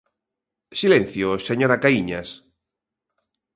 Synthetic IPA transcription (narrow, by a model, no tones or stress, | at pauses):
silẽn̟θjoseɲoɾakaiɲas